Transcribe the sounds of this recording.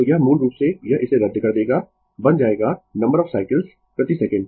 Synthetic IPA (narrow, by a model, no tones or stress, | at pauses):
jamũːnɾuːpsejɐʔɪseɾɐd̪ːkɐɾd̪eːɡa | bɐ̃nd͡ʒaːeːɡanɐ̃mbəɾɔːfsaːɪkəlz | pɾɐt̪isɛkə̃ɳɖ